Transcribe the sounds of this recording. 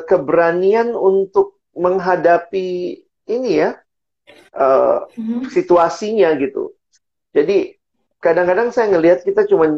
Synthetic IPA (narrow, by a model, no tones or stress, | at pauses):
kəbəɾanianunt̪ʊk̚ | məŋɦadapiː | nija | ʔə̰ | sit̪uasiɲaɡit̪ṵ | d͡ʒadi | kkadaŋkadaŋsajaŋəliɦat̪̚kit̪at͡ʃuman